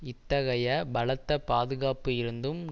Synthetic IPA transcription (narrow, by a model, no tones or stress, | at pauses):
ɪt̪ːɐɣɐjɐbɐɭɐt̪ːɐpaːðɯɣaːpɯɪɾɯnd̪ɯm